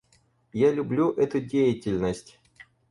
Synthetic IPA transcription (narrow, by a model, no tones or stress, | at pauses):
jalʲʊblʲuʔɛt̪ʊdʲejɪtʲɪlʲnəsʲtʲ